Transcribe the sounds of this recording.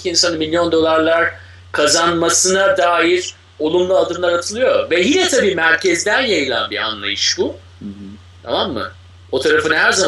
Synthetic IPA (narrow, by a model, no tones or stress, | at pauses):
iinsanɯnmilʲːjo̞nd̪o̞lˠaɾlˠaɾ | kʰazanmasɯnad̪aːjiɾ | o̞lˠumlˠaad̪ɯmlˠaɾat̪ʰɯlˠɯjo̞vɛɦilɛt̪ʰabiːmæɾcʰɛzd̪ænjajɯlˠa̰nbiɾa̰nlˠa̰jɯʃbu | t̪ʰa̰mamːɯ̰ | o̞t̪ʰaɾafɯnhæɾzam